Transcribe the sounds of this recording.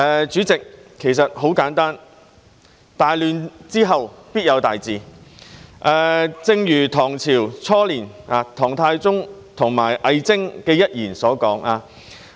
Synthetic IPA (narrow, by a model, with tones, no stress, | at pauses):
ʔɛː˨˧t͡ʃyː˨˥t͡sɪ˨k̚ʰe˨˩jsɐ˨t̚ɦo˨˥wkaː˨˥nt̪aː˥n | t̪aː˨jlyː˨nt͡siː˥ɦɐ˨wpiː˥t̚jɐ˨˧wt̪aː˨jt͡siː˨˧ | ʔɛː˨˧t͡sɪ˧ŋjyː˨˩t̪ʰɔː˨˩ŋt͡sʰiː˨˩wt͡sʰɔː˥liː˨˩naː˨˧t̪ʰɔː˨˩ŋt̪ʰaː˧jt͡sʊ˥ŋt̪ʰʊ˨˩ŋmaː˨˩jʔɐ˨˧jt͡sɪ˥ŋkɛː˧jɐ˥t̚jiː˨˩nsɔː˨˥kɔː˨˥ŋaː˧